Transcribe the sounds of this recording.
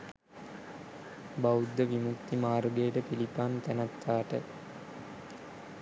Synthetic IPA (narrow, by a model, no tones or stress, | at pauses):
baud̪ːəʋimukt̪imaːɾuɡejːʈəpilipaːnt̪ænat̪ːaːʈə